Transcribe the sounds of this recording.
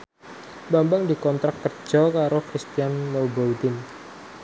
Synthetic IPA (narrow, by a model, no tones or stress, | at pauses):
bambaŋdikɔnt̪ɾakkːər̥d͡ʒ̥ɔkaɾokɾist̪ijanlawbaut̪ɪn